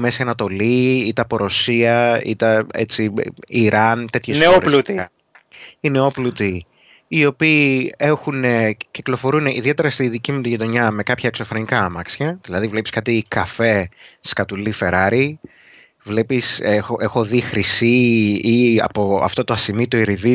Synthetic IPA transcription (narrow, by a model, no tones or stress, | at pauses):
mesiɐnɐt̪o̞liit̪ɐpoɾo̞siɐḭt̪ɐe̞̰t͡siiɾɐnt̪e̞t̪çeseoɾlut̪iɐ | ineoplut̪i | io̞piːe̞xuneciklo̞fo̞ɾuneʔiðie̞t̪e̞ɾɐst̪iðicimut̪iʝit̪o̞ɲɐme̞kɐpçɐekso̞fɾo̞nikɐɐmɐksçɐðilɐðivle̞piskɐt̪ikɐfe̞skɐt̪ulife̞ɾɐɾi | vle̞pisexoʔexo̞ðixɾisiiɐ̰po̞ɐ̰ft̪o̞t̪oɐsimit̪oiɾiði